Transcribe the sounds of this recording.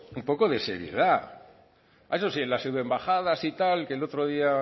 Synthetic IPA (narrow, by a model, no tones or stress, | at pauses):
umpo̞ko̞ðe̞se̞̰ɾje̞̰ða | esosienlaseðembaxaðasit̪alkelo̞t̪ɾo̞ðia